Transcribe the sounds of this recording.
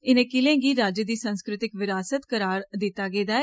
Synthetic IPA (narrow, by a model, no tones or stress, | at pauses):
ɪnẽːkɪlẽːɡiːɾaːd͡ʒəd̪iːsənskɾɪt̪ɪkʋɪɾaːsət̪kəɾaːɾd̪ɪt̪ːaːɡeːd̪aːɛː